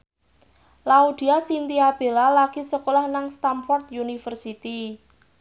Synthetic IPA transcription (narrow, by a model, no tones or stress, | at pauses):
laud̪̥i̤asint̪iab̥e̤lalaɡ̥isəkolahnaŋst̪amfɔrt̪̚junifərsit̪i